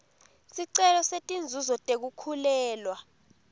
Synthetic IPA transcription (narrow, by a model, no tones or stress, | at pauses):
siǀɛlɔsetʼind͡zʱuzɔtʼek̬ukʰulɛːlwa